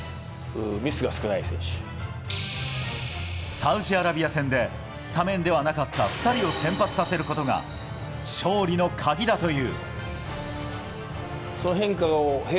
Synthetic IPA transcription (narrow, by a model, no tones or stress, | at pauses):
ɯmʲisɨɡasɨ̥kɯ̟naisẽɰ̃ɕɨ̥ | saɯ̟ʑiaɾabʲiasẽ̞nd̪e̞ | sɨ̥t̪amẽ̞nd̪e̞βanakat̪ːaɸɯ̥t̪aɾʲio̞sẽ̞mpat͡sɨ̥sase̞ɾɯ̟ko̞t̪o̞ɡa̰ | ɕo̞ːɾʲino̞kʰaɡʲid̪at̪o̞jɯ̟ː | sonoɦẽ̞ŋkaohe